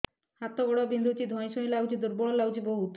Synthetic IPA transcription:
hat̪ɔɡɔɽɔbind̪ʱutid̪ʱɔ̃j̃ʃɔj̃lawd͡ʒid̪uɾbɔlawd͡ʒibɔɦut̪

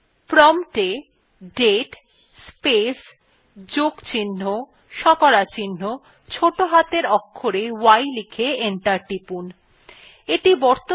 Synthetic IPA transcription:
pɾɔmʈe | ɖeʈ | spes | d͡ʑoɡt͡ɕinːo | ʃɔkɔɾat͡ɕinːo | t͡ɕʰoʈoɦat̪eɾɔkʰːoɾewajlikʰeeɳʈaɾʈipun | eʈibɔɾt̪o

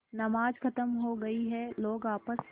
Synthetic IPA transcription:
nɐmaːd͡ʒkʰɐt̪əmɦoɡɐiɦɛloːɡaːpəs

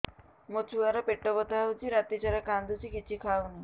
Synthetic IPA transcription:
mot͡ʃʰuaɾɔpeʈːɔkɔt̪awt͡ʃʰiɾat̪it͡ʃaɾakand̪ut͡ʃʰikit͡ʃʰikʰawni

